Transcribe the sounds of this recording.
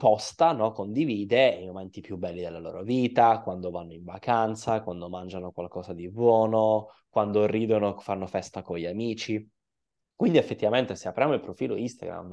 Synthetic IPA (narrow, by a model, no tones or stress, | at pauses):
pɔst̪anɔkond̪iviːd̪eimomɛnt̪ipjubɛlːid̪elːalo̰ːɾoviːt̪akwand̪ovanːoiɱvakant̪sakwand̪omand͡ʒanokwalkɔːzad̪ibwɔːnokwand̪oriːd̪onofanːofɛst̪akoʎːamiːt͡ʃi | kwind̪iefːet̪ːivament̪eseapːɾjaːmoilpɾofiːloist̪a̰ɡɾa̰mː